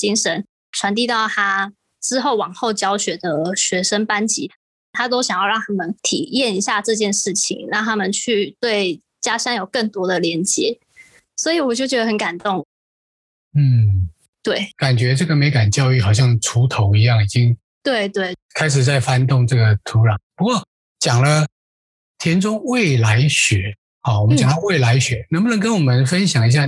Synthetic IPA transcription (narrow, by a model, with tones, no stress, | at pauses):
t͡ɕi˥ŋʂə˧˥n | ʈ͡ʂʰwa˧˥nt̪̬i˥˧t̪ɑ˥˩ʊt̪ʰa˥ | ʈ͡ʂɻ̩˥xo˥˩ʊwɑ˨˩ŋxo˥˩ʊt͡ɕjɑ˥ʊɕɥɛ˨˥d̪ə˨ɕɥɛ˧˥ʂə˥npa˥nt͡ɕi˧˨˥ | t̪ʰa˥t̪̬o˥ʊɕjɑ˨˩ŋjɑ˥˧ɑ˥˨ŋt̪ʰa˥mə˨nt̪ʰi˨˩jɛ˥˨ni˧˥ɕja˥˧ʈ͡ʂɤ˥˧t͡ɕjɛ˥˧nʂɻ̩˥˩t͡ɕʰḭ˩˦ŋɻɑ˥˩ŋt̪ʰa˥mə˨nt͡ɕʰy˥˩t̪we˥˩ɪ | t͡ɕja˥ʂɑ˥ŋjo˨˩ʊkə˥˩ŋt̪wɔ˥d̪ə˨ljɛ˧˥nt͡ɕjɛ˧˥˦ | swɔ˧˥i˨˩wɔ˨˩t͡ɕjo˥˩t͡ɕɥɛ˧˥d̪ə˧hə˧˦˥nka˨˩nt̪ʊ˥˩ŋ | n̩˥˩ | t̪we˥˩ɪka˨˩nt͡ɕɥɛ˧˥ʈ͡ʂɤ˥˩ɡə˩me˧˥ɪka˨˩nt͡ɕjɑ˥˧ʊy˥˩xɑ˨˩ʊɕ̬jɑ˥˨˩ŋʈ͡ʂʰu˧˥t̪ʰo˨˧˥ʊi˧˥jɑ˥˩ŋi˨˩t͡ɕi˦˥ŋ | t̪we˥˧ɪt̪we˥˩ɪkʰa˥ɪʂ̬ɻ̩˨˩t͡sa˥˩ɪfa˥nt̪ʊ˥˧ŋʈ͡ʂɤ˥˩ɡə˩t̪ʰu˨˧˥ɻɑ˨˩˦ŋpu˧˥kwɔ˥˩ | t͡ɕjɑ˨˩ŋlə˦ | t̪ʰjɛ˥nʈ͡ʂʊ˥ŋwe˥˨ɪla˧˦ɪɕɥɛ˧˦ | hɑ˥˩wɔ˨mə˦t͡ɕɑ˨ŋt̪ɑ˥˧we˥˩ɪla˧˦ɪɕɥɛ˧˥˦nə˧ŋpu˥˨nə˧˥ŋkə˥nwɔ˨˩mə˦nfə˦˥nɕjɑ˨˩ŋi˧˥ɕ̬ja˥˩